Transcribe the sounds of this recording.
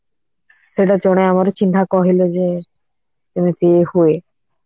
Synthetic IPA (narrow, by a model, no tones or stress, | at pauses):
ʃeʈ̬ad͡ʑɔñeamaɾt͡ɕint̪ʰakɔɦilod͡ʑe | t̪init̪eehoe